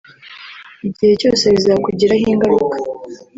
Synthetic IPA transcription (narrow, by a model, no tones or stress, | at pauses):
iɟihe̞co̞̰ːse̞βizaːkuɟiɾaɦiːŋɡaɾukḁ